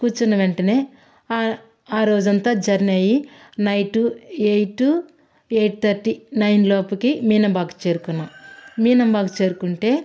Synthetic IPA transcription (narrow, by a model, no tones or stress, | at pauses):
kuːt͡ʃunːɐʋeɳʈɐneː | aːɾo̞ːd͡ʒɐnt̪aːd͡ʒɐɾnɐji | nɐjʈuejʈu | eːjʈ̚t̪ʰɐɾʈinɐjnloːpɐkimiːnɐmbaːkɐ̥t͡ʃe̞ːɾukunːamiːnɐmbaːkut͡ʃe̞ːɾukuɳʈe̞ː